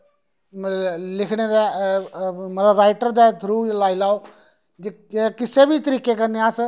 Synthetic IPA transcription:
lɪkʰɽed̪aː | məɾaɾaːɪʈəɾd̪aːd̪ʱɾuːlaːɪlaːo | d͡ʒe | kɪsebʱit̪əɾiːkekəɾneaːs

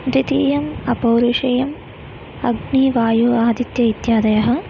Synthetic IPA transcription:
ɾit̪iːjɐmɐpɐːɾuʂɐjɐm | ɐɡniːʋaːjuaːd̪it̪jɐit̪jaːd̪ɐjɐɦɐ̆

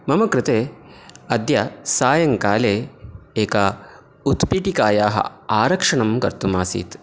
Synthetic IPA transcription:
mɐmɐkɾɪt̪eːɐd̪jɐsaːjɐŋkaːleːeːkaː | ut̪piʈikaːjaːɦɐ̰aːɾɐkʂɐɳɐmkɐ̰ɾt̪umaːsḭːt̪

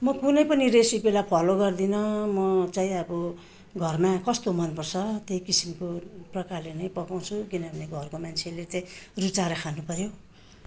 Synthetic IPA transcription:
mʌkunʌjpʌniɾesibelapʰʌloɡʌrd̪inʌmʌt͡saĩʌbʌ | ɡʱʌrmakʌst̪omʌnpʌrt͡sʰʌt̪ejkisimkoprʌkarlenʌjpʌkaw̃t͡sʰukinʌbʱʌneɡʱʌrkomant͡sʰelet͡saĩrut͡saɾʌkʰanupʌɾjo

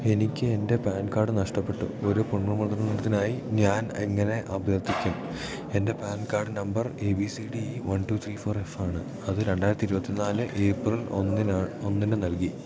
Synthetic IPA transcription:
e̞nikʲːɨe̞nde̞paːnkaːɖɨnɐʂʈɐpːe̞ʈːṵo̞ɾupuɳːrɐmund̪rɐniɽɐt̪ːinaːjiɲaːneŋːɐne̞ʔɐbjɐrt̪ːikʲːum | e̞nde̞paːnkaːrɖɨnɐmbɐreːbisiɽiʋɐnʈuːt̪ʰriːfo̞ːre̞faːɳɨ | ɐðɨɾe̞ɳɖaːjɾɐt̪ːiɾubɐt̪ːinaːlɨʔeːprɐl | o̞nːinɨnɐlki

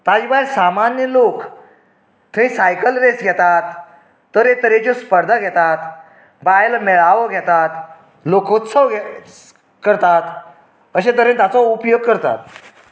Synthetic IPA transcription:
t̪ad͡ʑibajɾsamanjəlok | t̪ʰə̃ĩsajkəlɾesɡʱɛt̪at̪ː | əɾet̪əɾed͡ʑɔspəɾd̪ʱaɡʱɛt̪at̪ | bajlmɛɭaʋəɡʱɛt̪at̪ | lokʰot̪səʋɡ | kəɾt̪at̪ | əɕẽd̪əɾent̪at͡sɔupjoɡ̚kəɾt̪a̰t̪̚

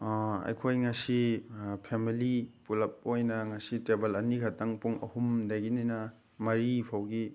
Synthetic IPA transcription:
ɐ̰jkʰojŋɐsipʰemilipulɐp̚ojnɐŋɐsitɾebɐlɐnikʰɐtɐŋpuŋɐ̰humdɐjɡininɐ | mɐɾipʰawɡi

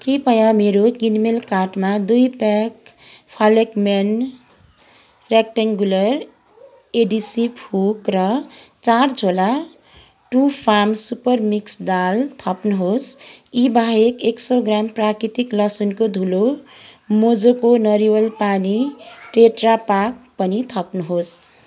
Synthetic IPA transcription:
kripʌjãmeɾokinmelkaʈmad̪ujpɛk | pʰalekmen | rek̚ʈaŋɡulʌɾ | eɖisiphukɾʌt͡saɾd͡zʱola | ʈupʰamsupʌrmiksd̪alt̪ʰʌpnɦosibʱaɦekeksoɡɾamprakɾit̪iklʌsunkod̪ʱulo | mod͡zokonʌɾiwʌlpaniʈeʈrapak̚pʌnit̪ʰʌpnʌɦos

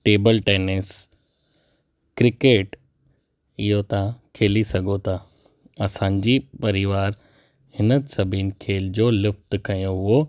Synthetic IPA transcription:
ʈeːbəlʈeːnes | kɾɪkeːʈ | ɪɦot̪akʰeːlisɐɡʱot̪ʰaː | ɐsãːɲ̆d͡ʑipɐɾɪʋaːɾ | hɪnəsɐbʱinkʰeːld͡ʑoːlɪft̪kɐjoʊɦo

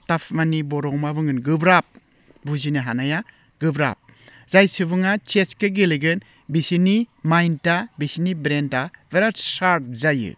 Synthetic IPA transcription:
tapʰmanibɔɾɔŋmabɯŋɯnɡɯbɾap̚ | buzinɯɦanaja | ɡ̥ɯbɾa̰p̚ | zajsɯbɯŋat͡ʃeskɯɡeleɡɯn | bisinimajntabisinibɾentaveɾaɾsaɾt̚zajɯ̰

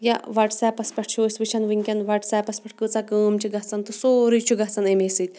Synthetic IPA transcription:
jaʋɐʈsaːpɐspɐʈ̚ʰt͡ʃʰoːsʲʋit͡ʃʰɐnʋiŋʲkʲɐnʋɐʈsaːpɐspɐʈ̚ʰkɨt͡sakəːmt͡ʃʰiɡɐt͡sant̪ɨsoːɾit͡ʃʰuɡɐt͡sanemesɨt̪

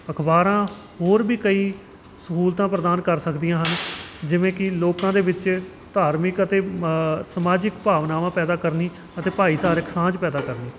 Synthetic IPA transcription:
əkʰbaːɾãː | ɦoːɾbiːkəiː | səkuːlt̪ãːpɾəd̪aːnkəɾsəkd̪ijãːɦənd͡ʒɪʋẽːkɪloːkãːd̪eːbɪt͡ʃ | t̪aːɾmɪkət̪eːsəmaːd͡ʒɪkpaːʋnaːʋãːpɛːd̪aːkəɾniː | ət̪eːpaːiːsaːɾeksãːd͡ʒpɛːd̪aːkəɾniː

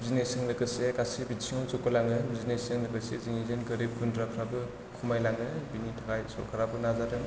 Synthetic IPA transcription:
zinesɯŋlɯkɯsekasibitsʰiŋawzukɯlaŋɯzinesɯŋlɯkɯseziŋizenɡɯɾip̚ɡundɾakʰɾabɯ | kʰumajlaŋɯbinitʰakajsɔ̰ɾkʰɯɾabɯnazaɾɯŋ

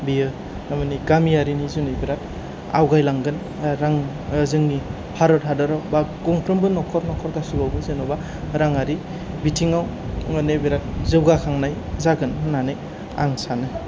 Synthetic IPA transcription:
bijɯ | amɯniɡamijaɾinizunɯjbiɾak̚ | a̰wɡajlaŋɡɯn | ɾaŋ | zɯŋni | pʰaɾɔtɦadaɾawbaɡɔŋpʰɾɯmbɯnɔkʰɔɾnɔkʰɔɾɡasubawbɯzenɔba | ɾaŋaɾi | bitʰiŋaw | ŋanebiɾak̚zɯwɡakʰaŋnaj | zaɡɯnɯnanɯj | a̰ŋsanɯ

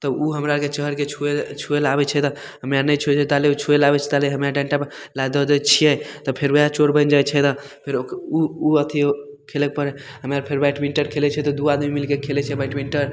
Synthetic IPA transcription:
t̪ɔuɦəmɾaket͡ʃəɦəɾket͡ʃʰuet͡ʃʰuelabɛt͡ʃʰɛt̪ɔ̃ | ɦəmjanəjt͡ʃʰut͡ʃʰɛt̪aleut͡ʃʰuelabɛt͡ʃʰɛt̪aleɦəmjaɖɛ̃ɳʈap | lajd̪ɔd̪ət͡ʃʰijɛt̪ɔpʰeɾəjat͡ʃoɾbə̃nd͡ʒajt͡ʃʰɛt̪ɔ̃ | pʰeɾokuuət̪ʰi | kʰelɛk̚pəɾɛɦəmaɾpʰeɾbajʈʰmiɳʈəɾkʰelɛt͡ʃʰɛt̪ɔd̪uad̪mimilkekʰelɛt͡ʃʰɛbajʈʰmiɳʈəɾ

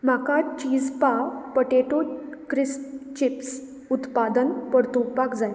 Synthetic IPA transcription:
m̤akat͡ɕiːd͡zpapəʈeʈuʈkɾist͡ɕips | ut̪pad̪ənpəɾt̪upakd͡zaj

